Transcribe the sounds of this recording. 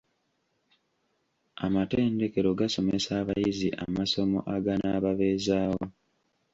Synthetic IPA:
amate̞ːnde̞ke̞ɾo̞ɡaso̞mesaːβajiziʔa̰maso̞mo̞̰ʔaɡanaːβaβezaːwo

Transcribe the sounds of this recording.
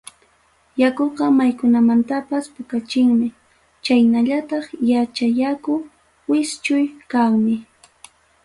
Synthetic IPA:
jakoqɑmajkʊnamant̪apaspʊkat͡ʃɪŋmɪ | t͡ʃajnaʎat̪ɑχjat͡ʃajakʊ | wɪst͡ʃʊjkaŋmɪ

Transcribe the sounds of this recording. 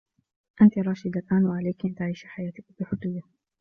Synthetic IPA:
ʔant̪iɾˤɑːʃɪd̪alʔaːnwaʕalajkʔant̪aʕiːʃiħajaːt̪ɪkfiħʊd̪ʊjːa

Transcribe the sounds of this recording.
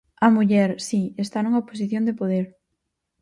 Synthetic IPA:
ɐmuʎɛɾsiest̪anũŋɐpos̬iθjõnd̪epoðeɾ

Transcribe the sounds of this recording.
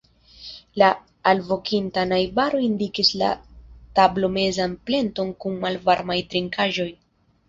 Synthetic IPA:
laː | lvo̞kintanajbaɾo̞indikisla̰tablo̞me̞zanple̞nto̞nkunmalvaɾmajtɾiŋkʰaʒo̞j

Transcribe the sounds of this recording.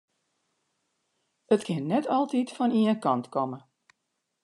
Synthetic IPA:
ətkʰɪnːɛtɔlˠtitfɔniənkɔntkɔmə

